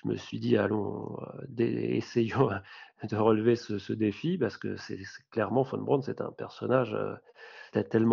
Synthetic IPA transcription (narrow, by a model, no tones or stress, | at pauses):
ʒ̥əmə̰sɥid̪ialɔ̃d̪ḛḛsejɑ̃d̪əʁəlvesəsəd̪efipaʁsə̥kə̰sɛsɛ̥klɛʁmɑ̃fɔ̰̃nbʁɔ̃d̪sɛt̪ɛ̰̃pɛʁsɔnaʒø̰ | t̪ɛt̪ːɛlm̃